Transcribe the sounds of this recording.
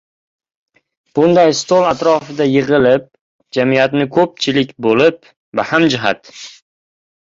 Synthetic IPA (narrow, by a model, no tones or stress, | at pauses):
b̥ʊnd̪ajst̪olˠat̪ɾɒfɪd̪ajɪʁɨlɪp̚ | d͡ʒamijat̪nɪkʰɵp̚t͡ʃʰɪlɪkʲbolɪp̚ | vahamd͡ʒɪɦa̰t̪